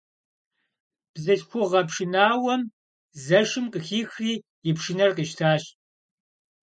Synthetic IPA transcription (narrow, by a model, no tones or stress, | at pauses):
b̥zɐɬxʷʊʁɐpʂɪnaːwɐm | zɐʂɨmqəxiːxriː | jɪpʂɪnɐrqiʃtʰaːɕ